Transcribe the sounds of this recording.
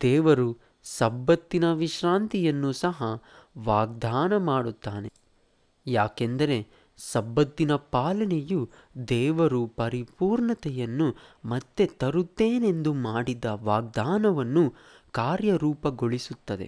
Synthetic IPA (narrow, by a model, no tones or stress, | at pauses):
d̪̥ɛːʋɐɾu | sɐbːɐt̪ːinɐʋiʃɾaːnt̪ijɐnːusɐɦɐʋaːɡ̚d̪aːnɐmaːɽut̪ːaːne̞ | jaːkend̪ɐɾe̞ | sɐbːɐt̪ːinɐpaːlɐneju | d̪ɛːʋɐɾupɐɾipuːɾɳɐt̪ɛjɐnːumɐt̪ːe̞t̪ɐɾut̪ːeːne̞nd̪umaːɽid̪ɐʋaːɡ̚d̪aːnɐʋɐnːu | kaːɾjɐɾuːpɐɡoɭisut̪ːɐd̪e̞̰